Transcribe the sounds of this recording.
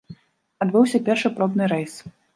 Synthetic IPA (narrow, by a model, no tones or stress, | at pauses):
ad̪bɨwsʲɐpʲɛrʂapɾɔbnɨɾɛjs